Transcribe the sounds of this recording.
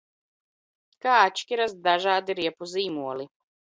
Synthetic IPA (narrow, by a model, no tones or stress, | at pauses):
kaat͡ʃkiɾazd̪aʒaːd̪iɾiɛpuziːmuɔli